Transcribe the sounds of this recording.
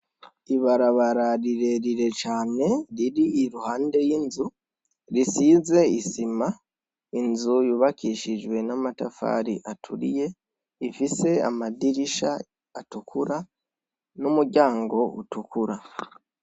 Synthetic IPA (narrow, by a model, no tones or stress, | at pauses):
iβaɾaβaɾaɾiɾe̞ɾiɾe̞t͡ʃaːne̞ɾiɾiːɾuhaːnde̞jiːnzu | ɾisize̞isima | inzujuβakiʃid͡ʒwe̞namatafa̰ːɾḭʔatʰuɾije̞ | ifise̞a̰madiɾiʃa̰ | atukʰuɾa | numuɾɟaːŋɡo̞ṵtukuɾa